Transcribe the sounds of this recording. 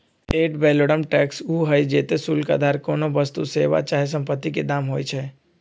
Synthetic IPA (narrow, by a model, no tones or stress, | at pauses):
eːʈbɛːloːɽəmʈɛːksuːɦəid͡ʒeːt̪esuːlka̰d̪ʱaːɾkoːnobəst̪useːʋa̰t͡ʃaːɦes̬ə̃mpət̪ːiked̪aːmɦoːit͡ʃʰɛ